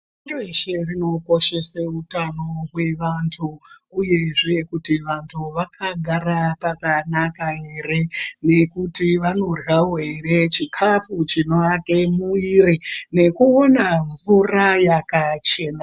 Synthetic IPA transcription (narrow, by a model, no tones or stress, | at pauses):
oroeʃe̞rino̞ko̞ʃe̞seutano̞ɦwe̞ʋantʰuːje̞ʐe̞kutiʋantʰuʋakaɡʱaɾapakanakaɦe̞re̞ne̞kutiʋano̞raɦwere̞t͡ʃikʰafut͡ʃino̞ake̞muirine̞kuonaɱvurajakat͡ʃe̞ːna